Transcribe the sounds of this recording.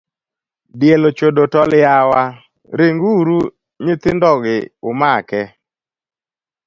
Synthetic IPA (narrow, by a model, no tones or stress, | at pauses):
djelot͡ʃodotɔljawa | ɾɪŋɡuɾu | ɲɪt̪ɪndɔɡɪʊmakɛ